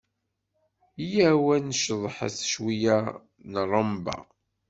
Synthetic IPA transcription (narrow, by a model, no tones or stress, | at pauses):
jæwænʃðˤħa̰θə̥ʃwijæ | nərˤəmbɑ̰